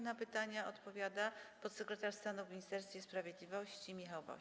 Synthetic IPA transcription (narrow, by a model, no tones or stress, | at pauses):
napɘt̪aɲaɔt̪pɔvʲjad̪apɔt̪sɛkɾɛt̪aʂst̪anuvmʲɲist̪ɛɾst̪fʲɛspɾavʲjed̪lʲivɔɕt͡ɕimʲixawvɔ̰